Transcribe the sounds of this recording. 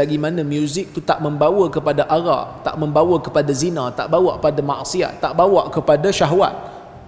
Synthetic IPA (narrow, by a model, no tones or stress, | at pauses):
aɡimãnãmjuzɪk̚t̪ut̪aʔmə̃mbawəkəpadaʔaɾa̰p̚t̪a̰ʔmə̃mbawəkəpadazinãt̪a̰ʔbawaʔəpadamã̰ʔsia̰t̪ːaʔbawaʔkəpadaʃaɦwa̰t̪̚